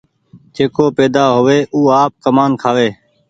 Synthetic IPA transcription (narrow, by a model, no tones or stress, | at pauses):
d͡ʒeːkoːpeːd̪aːɦoːʋeːʔuːaːp̚kəmaːnkʰaːʋeː